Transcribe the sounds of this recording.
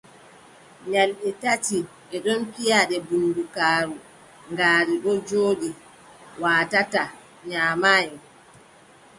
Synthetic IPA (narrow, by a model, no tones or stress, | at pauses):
ɲalɓɛtati | ɛɗɔnpijaɗɛbunːdukaːɾu | ŋɡaːɾiɗɔd͡ʒoːɗi | waːtata | ɲaːmajɛ